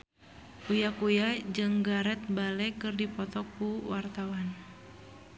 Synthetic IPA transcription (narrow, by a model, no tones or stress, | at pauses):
kujakujad͡ʒɨŋɡaɾɛt̪̚balɛkɨrdipɔt̪ɔkːuwart̪awan